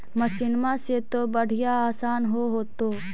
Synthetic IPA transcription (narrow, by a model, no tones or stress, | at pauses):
mɐsɪnmaset̪obəɽ̤ɪjaaːsaːnɦoɦoːt̪oː